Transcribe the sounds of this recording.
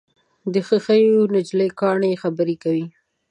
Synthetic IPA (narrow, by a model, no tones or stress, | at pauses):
d̪əxəxəjonɪd͡ʒlekɑɳexabəɾekawi